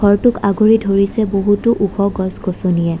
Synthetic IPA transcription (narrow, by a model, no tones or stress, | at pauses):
ɡʱɔɹtʊkaɡuɹidʱoɹisɛboɦutʊʔuxɔɡɔsɡosonijɛ